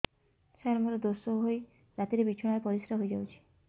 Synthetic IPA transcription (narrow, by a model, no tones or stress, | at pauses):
seaɾɔmoɾɔd̪osɔɦoj | ɾat̪iɾebit͡ʃʰɔɽ̃aɾepɔɾisɾɔɦojd͡ʒawt͡ʃʰi̥